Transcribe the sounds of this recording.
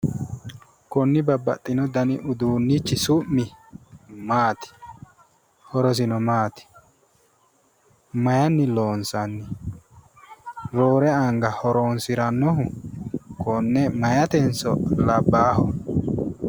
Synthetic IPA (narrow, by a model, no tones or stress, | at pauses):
kɔnːɪbɐbːɐ̰t̪ʼːɪnɔd̪ɐnɪʔʊd̪uːnːit͡ʃːɪsʊmmːɪ | maːt̪ɪ̥ | hɔɾɔs̬ɪnɔmaːt̪ɪ̥ | mɐjɐnːɪlo̞ːnsɐnːɪ | ɾoːɾɛɐŋɡɐhɔɾoːnsɪɾɐnːɔɦʊ | kɔnːɛmɐjɐt̪ɛnsɔ̰lɐbːaːhɔ